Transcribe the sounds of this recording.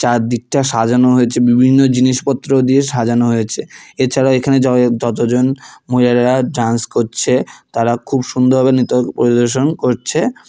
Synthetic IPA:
t͡ɕaɾd̪ik̚ʈaʃad͡ʑanoɦojet͡ɕʰebibʱinːod͡ʑiniʃpɔt̪ːɾod̪ieʃad͡ʑanoɦojet͡ɕʰeeɾt͡ɕʰaɾaoekʰaned͡ʑɔd͡ʑɔt̪̬od͡ʑonmoilaɾeɾaɖanskoɾt͡ɕʰet̪aɾakʰubʃund̪ʱobʱabenit̪opoɾid̪oɾʃ̬onkoɾt͡ɕʰe

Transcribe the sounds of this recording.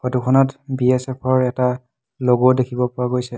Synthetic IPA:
xotukʰɔnɔtbiɛsɛpʰɔɹɛta | loɡodekʰibɔpɔɹaɡojsɛ

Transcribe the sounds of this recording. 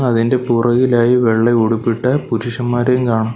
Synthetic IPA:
ɐðinde̞purɐɣilaːjiʋe̞ɭːeuɽupːiʈːɐpuɾuʂɐmːaːɾejmkaːɳɐm

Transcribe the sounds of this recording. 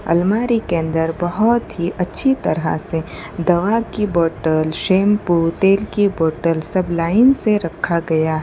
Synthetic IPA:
ɐ̰lmaːɾikeə̃nd̪əɾbɐɦʊt̪ɦiʔɐtːʃʰit̪ɐɾa̰se | d̪ɐʋakiboːʈəlʃeːmput̪eːlkiboːʈəlsɐblaːɪnseɾɐkʰːaɡɐjaɦ

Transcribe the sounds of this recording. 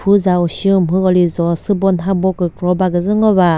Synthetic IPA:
pʰuzauɕiɯmɦɯkɔlizɔsɯbɔnɦabɔkːɯkʰɾɔbaɡɯzɯŋɔba

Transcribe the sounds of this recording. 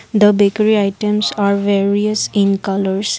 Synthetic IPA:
d̪əbekəɾiaɪʈə̃msaɾʋeɾiəsɪ̃nkʌləɾs

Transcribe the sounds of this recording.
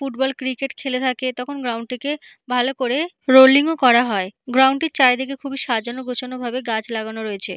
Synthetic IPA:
fuʈ̚bɔlkɾikeʈkʰelet̪ʰaket̪ɔkʰonɡɾawɳʈike | bʱalokoɾe | ɾoliŋokɔɾaɦɔeɡɾawɳʈiɾt͡ɕaed̪ekekʰubʱiʃad͡ʑonoɡot͡ɕonobʱabeɡat͡ɕlaɡanoɾoet͡ɕʰe

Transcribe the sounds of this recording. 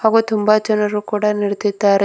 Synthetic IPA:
haːɡut̪umbaːd͡ʒɐnɐɾukuːɽɐniɽet̪id̪ːaːɾe

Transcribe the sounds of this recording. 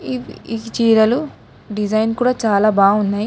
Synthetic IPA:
iit͡ʃiːɾɐlu | ɖid͡ʒɐjnkuːɽaːt͡ʃaːlaːbaːunːaːji

